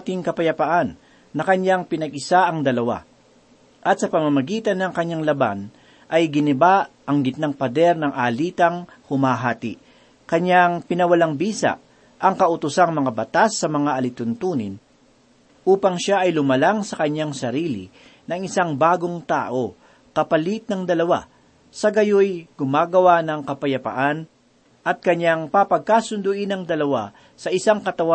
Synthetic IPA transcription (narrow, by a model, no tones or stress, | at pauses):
t̪ɪŋkɐpɐjɐpɐʔanː | ɐkɐɲjaŋpɪnɐɡʔɪsaʔɐŋd̪ɐlɐwa̰ | ʔɐt̪̚sɐpɐmɐmɐɡiːt̪ɐnːɐŋkɐɲːaŋlɐba̰n | ʔɐjɡɪnɪbaʔʔɐŋɡɪt̪̚naŋpɐd̪ɛɾnɐŋʔaːliːt̪ɐŋ | hʊmaːɦaːt̪ɪ | kɐɲːaŋpɪnɐwɐlaŋbiːsa̰ʔ | ʔɐŋkɐʔʊt̪ʊsaŋmɐŋabɐt̪asːɐmɐŋaʔɐlɪt̪ʊnt̪uːnɪn | ʔuːpɐŋʃaʔɐjlʊmɐlaŋsɐkɐɲːaŋsɐɾiːlɪ̰ | nɐŋɪsaŋbaːɡoŋt̪a̰ːʔo̞ | kɐpɐlit̪̚nɐŋd̪ɐlɐwa̰ | sɐɡɐjojɡʊmaːɡɐwanɐŋkɐpɐjɐpɐ̰ʔan | ʔɐt̪̚kɐɲːaŋpapɐɡ̚kaːsʊnd̪ʊʔɪnɐŋd̪ɐlɐwa | sɐʔɪsaŋkɐt̪ɐwa